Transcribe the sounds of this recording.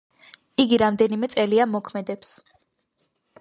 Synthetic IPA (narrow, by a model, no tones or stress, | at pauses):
iɡiɾamd̪ɛnimɛt̪sʼɛliamɔkʰmɛd̪ɛps